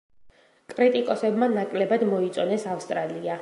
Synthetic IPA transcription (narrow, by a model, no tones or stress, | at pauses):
kʼɾit̪ʼikʼɔsɛbmanakʼlɛbad̪mɔit̪sʼɔnɛsafst̪ʼɾalia